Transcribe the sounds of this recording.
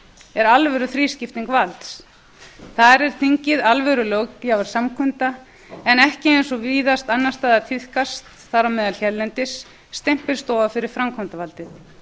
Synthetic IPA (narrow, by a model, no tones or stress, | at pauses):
ɛɾalvɛɾʏθɾiːscɪft̪iŋkvalt̪s | θaɾɛɾ̥θiɲcɪðalvɛɾʏlœkjavaɾ̥samkʰʏnt̪a | ɛnɛhcɪejnsɔviːðast̪anːast̪aːðat̪ʰɪð̥kast̪θaɾamɛːðalçɛllːɛnt̪ɪsː | t̪ɛm̥pɪɾ̥st̪ɔːvafɪɾɪɾ̥fɾamkʰɔnt̪avalt̪ɪð